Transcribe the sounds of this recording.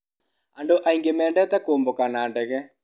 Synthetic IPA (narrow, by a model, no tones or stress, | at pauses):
andoʔaiŋɡemɛːndɛt̪ɛkoːmbokanandɛɣɛ